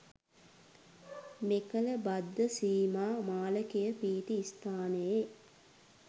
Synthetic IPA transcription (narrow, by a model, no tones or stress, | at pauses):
mekələbad̪ːəsiːmaːmaːləkejəpiːt̪iːst̪aːnəje